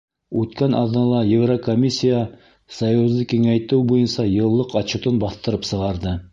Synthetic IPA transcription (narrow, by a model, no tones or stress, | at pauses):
ʉt̪kænʔɑ̰ðnɑlˠɑjevrokomʲisʲːija | sɑjuzˠɤkiŋæjt̪ɘwbujɤnsɑjɤ̆lˠːɤqɑt͡ɕŭt̪ɤnbɑθt̪ɤ̆ɾɤpsɤ̆ʁɑɾd̪ɤ